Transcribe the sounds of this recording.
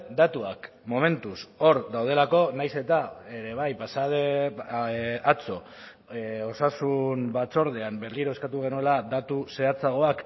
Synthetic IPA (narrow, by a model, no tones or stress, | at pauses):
d̪at̪uak | mo̞me̞nt̪uso̞ɾd̪awð̞e̞lako̞najse̞t̪aeɾe̞β̞ajpasaðe | at͡so̞ | o̞sasunbat͡so̞ɾð̞eambe̞ɾliɾo̞eskat̪uɣ̞e̞nuelad̪at̪use̞at͡saɣ̞o̞ak